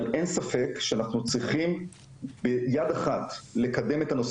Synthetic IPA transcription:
lʔensafe̞kʃeanaχnut͡sʁiχim | bejadaχatle̞kad̪e̞me̞tano̞s

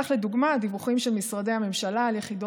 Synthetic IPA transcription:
aχled̪uɡmad̪ivuχimʃelmisʁad̪ejhame̞mʃalaːljeχido

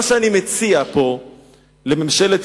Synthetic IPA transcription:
ʃeanimet͡siapo̞ | lememʃe̞let̪

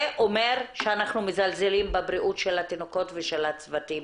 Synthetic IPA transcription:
ʔomeʁʃeanaχnumezalzelimbebɾiʔutʃelat̪inoko̞tveʃalatt͡svatim

